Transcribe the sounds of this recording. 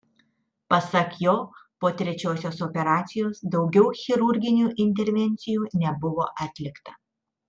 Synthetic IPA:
pɐsɐkjoːpoːt̪ʲɾʲɛt͡ʃʲoːsʲoːsoːpʲɛɾɑːt̪sʲɪjoːsd̪ɒʊɡʲɛʊxʲɪɾʊɾʲɡʲɪnʲuːʔɪnʲt̪ʲɛɾʲʋʲɛnʲt̪sʲɪjuːnʲɛbʊʋoːʔɑːt̪ʲlʲɪkt̪ɐ

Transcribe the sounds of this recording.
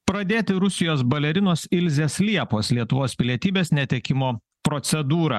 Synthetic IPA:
pɾɐd̪ʲeːt̪ʲɪɾʊsʲɪjoːsbɐlʲɛɾʲɪnoːsɪlʲzʲeːslʲiɛpoːslʲiɛt̪ʊʋoːspʲɪlʲiɛt̪ʲiːbʲeːsnʲɛt̪ʲɛkʲɪmoː | pɾɔt̪sʲɛd̪uːɾɐ̰

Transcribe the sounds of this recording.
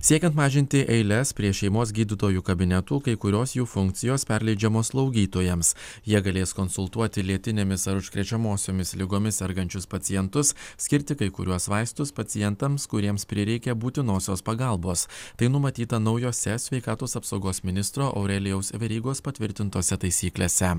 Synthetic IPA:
sʲiɛkʲɛnt̪mɑːʒʲɪnʲt̪ʲɪʔɛɪlʲɛspʲɾʲiɛʃʲɛɪmoːs̬ɡʲiːd̪ʲɪt̪oːjuːkɐbʲɪnʲɛt̪uːkɐɪkʊɾʲoːsjuːfʊŋʲk̚t̪sʲɪjoːspʲɛɾlʲɛɪd͡ʒʲɛmoːslˠɐʊɡʲiːt̪oːjɛmsjiɛɡɐlʲeːskɔnsʊlˠt̪uɔt̪ʲɪlʲiɛt̪ʲɪnʲeːmʲɪsɐɾʊʃʲkɾʲɛt͡ʃʲɛmoːsʲoːmʲɪslʲɪɡoːmʲɪsɛɾɡɐnʲt͡ʃʲʊspɐt̪sʲɪjɛnt̪ʊssʲkʲɪɾʲt̪ʲɪkɐɪkʊɾʲuɔsʋɐˑɪst̪ʊspɐt̪ʲɪjɛnt̪ɐmskʊɾʲiɛmspʲɾʲɪɾʲɛɪkʲɛbuːt̪ʲɪnoːsʲoːspɐɡɐlˠboːst̪ɐɪnʊmɐt̪ʲiːt̪ɐnɐʊjoːsʲɛsʲʋʲɛɪkɑːt̪oːsɐpsɒʊɡoːsmʲɪnʲɪst̪ɾoːʔɐ̰ʊɾʲɛlʲɪjɛʊsʋʲɛɾʲiːɡoːspɐt̪ʲʋʲɪɾʲt̪ʲɪnt̪oːsʲɛt̪ɐɪsʲiːklʲeːsʲɛ

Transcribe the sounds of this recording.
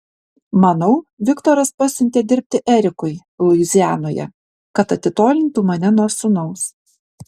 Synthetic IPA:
mɐnɒʊʋʲɪkt̪ɔɾɐspɐsʲʊnʲt̪ʲeːd̪ʲɪɾʲp̚ʲt̪ʲɪʔɛɾʲɪkʊɪ | lʊɪzʲjæːnoːjɛ̰ | kɐt̪ɐt̪ʲɪt̪oːlʲɪnt̪uːmɐnʲɛnoːɾsʊnɒʊs

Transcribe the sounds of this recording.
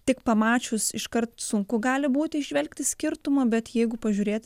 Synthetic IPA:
t̪ʲɪkpɐmɑːt͡ʃʲʊsɪʃkɐrt̪sʊŋkʊɡɑːlʲɪbuːt̪ʲɪɪʒʒʲʋʲɛlʲkt̪ʲɪsʲkʲɪrt̪ʊmɐbʲɛt̪jɛɪɡʊpɐʒʲuːɾʲeːt̪

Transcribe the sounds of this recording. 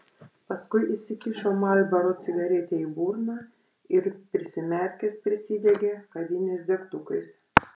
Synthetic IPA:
pɐskʊɪʔɪsʲɪkʲiʃoːmɐlʲbɐɾot̪sʲɪɡɐɾʲeːt̪ʲeːiːbuːɾnɑː | ɪɾpʲɾʲɪsʲɪmʲɛɾʲkʲɛspʲɾʲɪsʲɪd̪ʲɛɡʲeːkɐd̪ʲɪnʲɛɪs̬d̪ʲɛkt̪ʊkɐɪs

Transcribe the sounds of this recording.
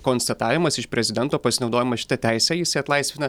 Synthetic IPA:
koːnst̪ɐt̪ɑːʋʲɪmɐsɪʃpʲɾʲɛzʲɪd̪ʲɛnt̪oːpɐsʲɪnɒʊd̪oːjɪmɐʃʲɪ̥t̪ɐt̪ʲæɪsʲɛjɪsʲɪɐt̪lˠɐɪsʲʋʲɪnɐ

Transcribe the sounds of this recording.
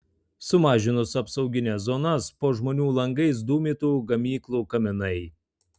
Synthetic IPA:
sʊmɑːʒʲɪnʊsɐpsɐʊɡʲɪnʲɛszɔnɐspoːʒmoːnʲuːlˠɐŋɡɐɪs̬d̪uːmʲiːt̪uːɡɐmʲiːklˠuːkɐmʲɪnɐɪ

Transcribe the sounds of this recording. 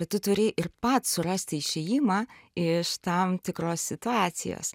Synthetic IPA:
ɐt̪t̪ʊt̪ʊɾʲɪʔɪrpɐt̪sʊɾɐsʲt̪ʲɪɪʃʲɛjɪmɑɪʃt̪ɐmt̪ʲɪkɾoːsʲsʲɪt̪ʊɑːt̪sʲɪ̰jo̰ːs

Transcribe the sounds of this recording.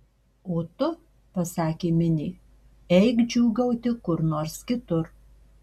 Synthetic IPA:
oːt̪ʊ | pɐsɑːkʲeːmʲɪnʲiː | ɛɪkd͡ʒʲuːɡɐʊt̪ʲɪkʊɾnoːɾskʲɪt̪ʊɾ

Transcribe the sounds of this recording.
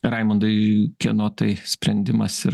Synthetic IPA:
ɾɐɪmɐnd̪ɐɪkʲɛnoːt̪ɐɪsʲpʲɾʲɛnʲd̪ʲɪmɐsɪɾ

